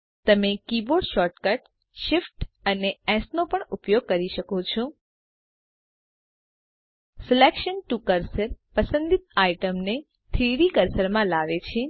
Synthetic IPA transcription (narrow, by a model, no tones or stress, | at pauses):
t̪əmekiboɾɖʃɔʈkəʈ | ʃifʈəneɛ̃snopəɳʊpjoɡ̚kəɾiʃəkot͡ʃʰõ | sɪlekʃənʈukəɾsəɾpəsənd̪it̪aiʈəmne | t̪ʰɾiɾikəɾsəɾmãlaʋet͡ʃʰe